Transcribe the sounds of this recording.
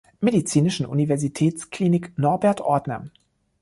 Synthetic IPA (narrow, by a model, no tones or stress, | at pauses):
medit͡siːnɪʃn̩ʔṵnivɛɐzitʰɛːt͡skʰl̥iːnɪknɔɐbɛɐtʔɔɐdnɐ̰